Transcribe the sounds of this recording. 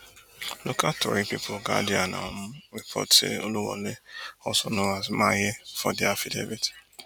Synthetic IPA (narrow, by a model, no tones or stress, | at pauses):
lokatɔ̰ɾipipʰoɡadiana̰ɔm̩epʰɔ̰tḛoluwɔ̰leɔsɔnʊ̃azmajefɔdiafidḛvit